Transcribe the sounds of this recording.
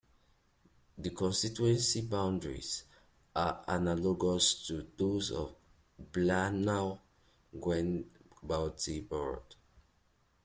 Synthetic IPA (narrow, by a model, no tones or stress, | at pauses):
ðikʰɔ̃nstituɛ̃nsibãʊ̃ndɹḭz̥ | ʔaa̰nalɔɡɔstʰuðozɔ̰v | blana | ɡwɛ̃nbaʊtibɔd̥